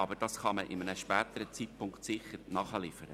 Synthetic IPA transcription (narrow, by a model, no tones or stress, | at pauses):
ɑbəɾd̥ɑsχɑməʔɪmənəʃpɛːt̪əɾət͡sit̚pʰʊŋktsɪχəɾnɑχəlɪfəɾə̰